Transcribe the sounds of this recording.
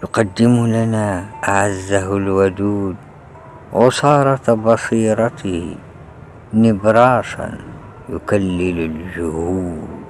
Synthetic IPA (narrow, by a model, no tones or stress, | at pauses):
jʊqɑd̪ːɪmlanaʔaʕazːaɦlwad̪uːd̪ | ʕʊsˤɑːɾˤɑt̪bɑsˤiːɾˤɑt̪ɪh | nɪbɾˤɑːʃa̰n | jʊkalːɪlalʒʊhuːd̪